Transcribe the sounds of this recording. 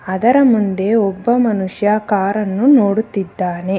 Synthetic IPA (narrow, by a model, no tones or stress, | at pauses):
ɐd̪ɐɾɐmund̪e̞ɔbːɐmɐnuʂjaːkaːɾɐnːuno̞ːɽut̪ːid̪ːaːne̞